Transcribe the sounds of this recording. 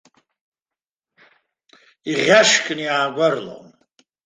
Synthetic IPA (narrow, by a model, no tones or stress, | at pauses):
iʁʲaʂkʼniaːɡʷarlo̰m